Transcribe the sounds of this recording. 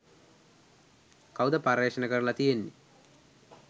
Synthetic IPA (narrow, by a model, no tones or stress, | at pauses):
kawd̪ɐpaɾeːʂənəkəɾlat̪ijenːi